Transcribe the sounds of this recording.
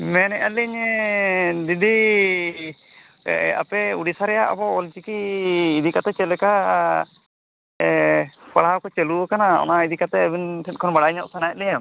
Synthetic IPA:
mɛnɛʔaliɲ | d̪id̪i | a̰pɛuɽisaɾɛjaʔa̰bɔɔlt͡ʃikiːd̪ikat̪ɛt͡ʃɛlɛka | paɭawkɔt͡ʃɛluɔkanaɔ̰naid̪ikat̪ɛəbinʈʰɛt̚kʰɔnbaɽaiɲɔʔsanajat̪̚lɛjam

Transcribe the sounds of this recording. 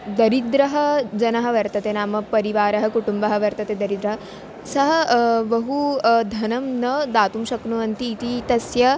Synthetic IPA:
d̪ɐɾid̪ɾɐɦɐ̆d͡ʑɐnɐɦɐʋɐɾt̪ɐt̪enaːmɐpɐɾiʋaːɾɐɦɐkuʈumbɐɦɐ̆ʋɐɾt̪ɐt̪ed̪ɐɾid̪ɾɐɦɐ | sɐɦɐʋɐɦud̪ʱɐnɐmnɐd̪aːt̪umɕɐknuʋɐnt̪iːt̪it̪ɐsjɐ

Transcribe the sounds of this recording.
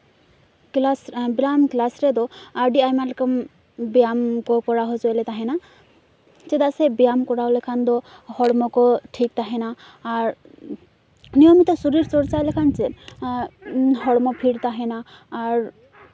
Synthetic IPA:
lsbilamklasɾed̪ɔaɾɖiajmalkɔm | bijamkɔkɔɾaɦɔzɔelet̪aɦena | t͡ʃed̪asebijamkɔɾalekʰand̪ɔhɔɽmɔkɔʈʰik̚t̪aɦɛnaː | ɾ | nijɔmit̪esuɾiɾsɔɽt͡ʃajlekʰant͡ʃe | ɦɔɽmɔpʰiɽt̪aɦɛnaː | ɾ

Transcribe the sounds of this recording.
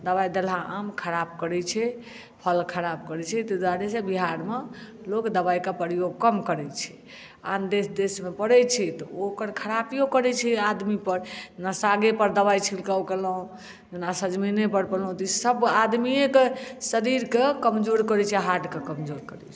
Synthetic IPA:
d̪əβajd̪elaamkʰəɾab̚kəɾɛt͡ʃʰɛ | pʰəlkʰəɾabkəɾɛt͡ʃʰɛt̪ɔd͡ʒaɽesebiɦaɾme | lokd̪əbajkepəɾijoɡ̚kəmkəɾɛt͡ʃʰɛ̥ | a̰nd̪esd̪esmepəɽɛt͡ʃʰɛt̪ɔokəɾkʰəɾapijokəɾɛt͡ʃʰɛad̪mipəɾd͡ʒenasaɡepəɾd̪əβajt͡ʃʰilkəwkelũ | d͡ʒenasəd͡ʒminepəɾpəlũt̪isəbad̪miẽkesəɾiɾkekəmd͡ʒoɾkəɾɛt͡ʃʰɛɦaʈkekəmd͡ʒoɾkəɾɛt͡ʃʰɛ̥

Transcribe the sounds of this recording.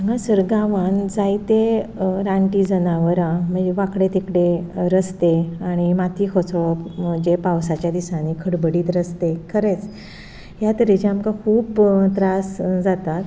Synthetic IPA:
əŋɡãsəɾɡaʋand͡zait̪eɾãɳʈiːd͡zənaʋəɾãm̤əɳd͡zeʋakɽet̪ikɽeɾəst̪eaɽ̃imat̪ʰiːkʰot͡sʰoəd͡ʑepawsat͡ɕjad̪isanikʰəɽbəɽiːt̪ɾəst̪ekʰəɾet͡s | ɦjat̪əɾet͡ɕeamkakʰuːbt̪ɾasd͡zat̪at̪

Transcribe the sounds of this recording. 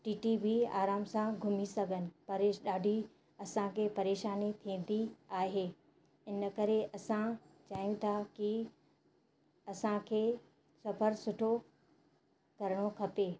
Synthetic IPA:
ʈiːʈibʱia̰ːɾaːmsãɡʱʊmisɐɡʱənɪ̆pɐɾeɗaːɖʱi | ɐsãkʰepɐɾeːʃaːnit̪ʰĩːn̆d̪iaːɦeː | ɪnkɐɾeʔɐsã | t͡ɕaːjũt̪ʰaki | ɐsãkʰeː | sɐpʰəɾsʊʈʰo | kɐɾəɽ̃okʰɐpeː

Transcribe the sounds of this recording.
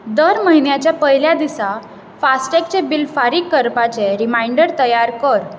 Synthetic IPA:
d̪əɾməɦinjat͡ɕjapəɦiljad̪isa | fasʈɛk̚t͡ɕẽbilfaɾiːkːəɾpat͡seɾimaiɳɖəɾt̪əjaɾkəɾ

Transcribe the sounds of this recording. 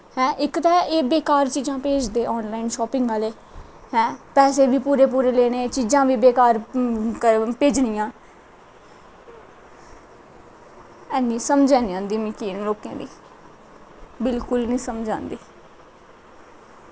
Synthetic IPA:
hɛ̃ːʔɪkt̪ɛːeːbeːkaːɾt͡ʃiːd͡ʒãːpeːd͡ʒd̪eːɔːnlaːiːnʃɔːpɪ̃ŋɡaːleː | hɛ̃ːpɛːseːbiːpuːɾeːpuːɾeːleːneːt͡ʃiːzãːʋiːbeːkaːɾkəpeːd͡ʒnɪjãː | ɛːnĩːsəmd͡ʒɛ̃ːniãːnd̪iːmĩːkiːnloːkã̰ːd̪iː | bɪlkʊlnĩːsəmd͡ʒã̰ːnd̪iː

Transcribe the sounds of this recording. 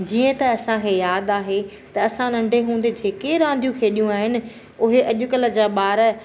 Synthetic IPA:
d͡ʑiːə̃t̪ɐɐsãkʰeːjaːd̪aːɦe | t̪ɐɐsãnɐ̃ɳɖʱeɦũːn̆d̪ed͡ʑʱeːkeɾãːn̆d̪ʱijũkʰeːɗijũaːɦɪnɪ̆ | ʊɦeʔɐʄʊkələ̆d͡ʑaːɓaːɾ

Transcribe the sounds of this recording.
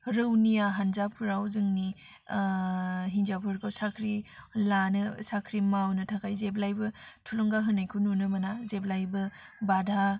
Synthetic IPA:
ɾɯwnijaɦanzapʰɾawzɯŋni | ɦinzapʰɯɾkʰawsakʰɾilanɯsakʰɾimawnɯtʰakʰajzeplajbɯtʰulɔŋɡaɦɯnajkʰununɯmanazeplajbɯ | badʱa

